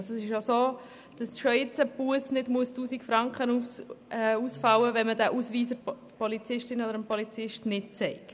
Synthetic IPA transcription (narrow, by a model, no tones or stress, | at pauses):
sɛsɪʃjosoː | d̥ɑsʃojɪt͡səpuəsnɪdmuəstuːsikfɾɑŋkχənu | uːsfɑwəvɛnmədæʔuːsviːsə | pɔlit͡sɪʃtɪnodəɾəmpɔlit͡sɪʃtnɪt̚t͡sɛɪkt